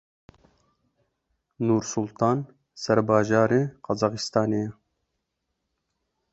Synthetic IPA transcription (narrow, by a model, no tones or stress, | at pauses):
nuːɾsulˠt̪ʰɑːn | sɛɾbɑːʒɑːɾiqɑzɑːqist̪ɑːneɛ